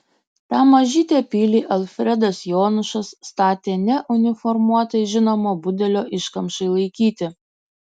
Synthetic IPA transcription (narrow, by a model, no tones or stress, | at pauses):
t̪ɑːmɐʒʲiːt̪ʲeːpʲiːlʲiːʔɐlʲˠfʲɾʲɛd̪ɐsjoːnʊʃɐsːt̪ɑːt̪ʲeːnʲɛʔʊnʲɪfɔɾmuɔt̪ɐɪʒʲɪnoːmoːbʊd̪ʲɛlʲoːʔɪʃkɐmʃɐɪlˠɐɪkʲiːt̪ʲɪ